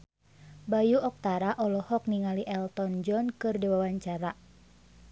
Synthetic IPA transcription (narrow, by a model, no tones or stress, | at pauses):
bajuʔɔk̚t̪aɾaʔɔlɔhɔk̚niŋaliʔɛlt̪ɔnd͡ʒɔnkɨrdiwawaɲt͡ʃaɾa